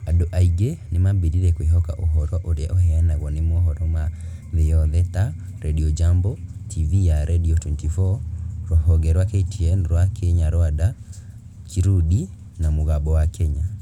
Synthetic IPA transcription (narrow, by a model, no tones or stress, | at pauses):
adoʔaiɡenemabiɾiɾɛkweɦɔka̰ʔoɦɔɾɔʔoɾeaʔohɛanaɣɔnemɔɦɔɾɔma | ðejɔðɛta | ɾɛɗiɔd͡ʒambɔtʰivijaɾʔɛdiɔtuntifɔɾɔɦɔɡɛɾwakɛitʰiɛnɾwakɛɲaɾɔada | kiɾuɗi | namoɣabɔwakɛɲa